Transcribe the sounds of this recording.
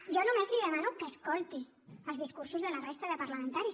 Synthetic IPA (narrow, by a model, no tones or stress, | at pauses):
ʒɔnumezliðəmanukəskɔlˠt̪i | əlzðiskuɾsuzðələrest̪əðəpəɾləmə̃nt̪aɾis